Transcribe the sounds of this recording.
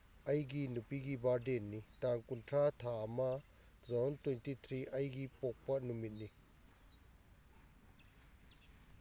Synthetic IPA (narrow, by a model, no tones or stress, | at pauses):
ɐjɡinupiɡibaɾdenːitaŋkuntʰɾatʰaɐmɐ | zɔntwejntit̪ʰɾiʔɐjɡipɔk̚pɐnumit̚ni